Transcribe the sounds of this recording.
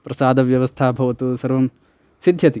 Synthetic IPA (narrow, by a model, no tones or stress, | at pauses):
pɾɐsaːd̪ɐʋjɐʋɐst̪ʰaːbʱɐʋɐt̪usɐɾʋɐm | sid̪ʱjɐt̪i